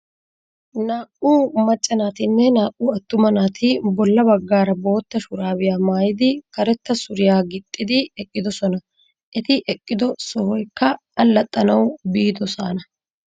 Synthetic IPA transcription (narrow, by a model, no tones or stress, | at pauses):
naːkʔʼuːmɐt͡ʃʼːɐnaːt̪ɪnːɛnaːʔʼːuːɐt̪ːʊmɐnaːt̪ʰɪbɔlːɐbɐɡːaːɾɐbo̞ːt̪ːɐʃʊɾaːbɪjaːmaːjɪd̪ɪkɐɾɛt̪ːɐsʊɾɪjaːɡɪt̪ʼːɪd̪ɪɛkʼːɪd̪ɔsɔnɐ | ʔɛt̪ɪʔɛkʼːɪd̪ɔsɔhɔjkːɐ | ɐlːɐt̪ʼːɐnɐwbiːd̪ɔsaːnɐ